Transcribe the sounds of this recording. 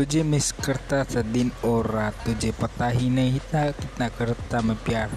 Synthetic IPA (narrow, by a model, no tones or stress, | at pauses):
ud͡ʒemiskərt̪asəd̪inoɾat̪ːud͡ʒepət̪aɦinəɦit̪akit̪nakəɾt̪aməpiar